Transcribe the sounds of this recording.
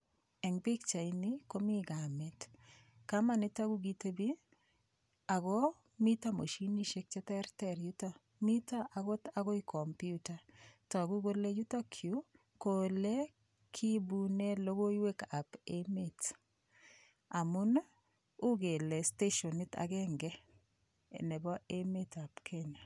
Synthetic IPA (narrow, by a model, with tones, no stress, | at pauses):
ɛ˨ŋbi˦kt͡ʃa˨iniko˦mi˦ɡamɛ˨t | kama˦nɪ˦ta˦ɡu˦ɡite˦bi˦ | a˨ɡɔ˦ | mi˦ta˦mo̰˨ʃini˦ʃe˦k̚t͡ʃɛ˦tɛɾtɛɾjuta | mi˦ta˦ʔa˨ɡɔ˦ta˨ɡɔ˦i˦kʰɔ˨mpjuta˨tɔ˨a˨ɡu˦ɡo˦le˦ju˦ta˦kʰju˨˦ | ko˨le˦ | kʰi˦bu˦ne˦lo˦ɡo˦iwe˦ka˨pe˦me˦t | a˨mʊ˦n | ʊ˦ɡe˨le˨ste˦ʃo˨nɪ˦ta̰˨ɡɛ˦ŋɡɛ˦ | ḛ˨nɛ˨bɔ˦e˦me˦ta˨pkʰe˦ɲa˨